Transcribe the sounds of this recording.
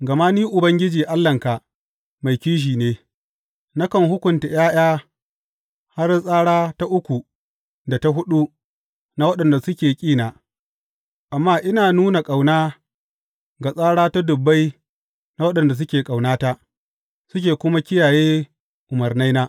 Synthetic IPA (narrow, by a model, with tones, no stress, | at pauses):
ɡɐ˨ma˦niː˦ʔʊ˨bɐ˦ŋɡʲɪ˦d͡ʒiː˨ʔa˦lːɐ˨ŋka˨ | ma˨jkʲiː˦ʃ̬iː˨neː˦ | na˦kɐ˨ŋhʊ˦kʷʊ˨nta˨j̰aː˦j̰aː˦ | ha˦rsʼaː˦ɽaː˦ta˦ʔʊ˦kʷu˨ | da˨ta˦ɦʊ˦ɗu˦ | na˦wɐ˦ɗɐ˨nda˨sʊ˦kʲeː˨kʲʼiː˦naː˨ | ʔa˨mːaː˦ʔɪ˦naː˨nuː˦na˨kʼa˨wnaː˦ | ɡa˨sʼaː˦ɽaː˦ta˦dʊ˨bːa˦j | na˦wɐ˦ɗɐ˨nda˨s̬ʊ˦kʲeː˨kʼa˨wnaː˦ta˦ | sʊ˦k̬ʲeː˨kʷʊ˦ma˦kʲɪ˦jaː˨jeː˦ | ʔʊ˨mɐ˨rna˦jnaː˦ʔ